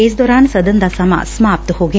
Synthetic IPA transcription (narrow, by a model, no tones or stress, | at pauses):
eːs̬d̪oːɾaːnsɐd̪ɐnd̪asɐma̰smaːp̚t̪hoːɡej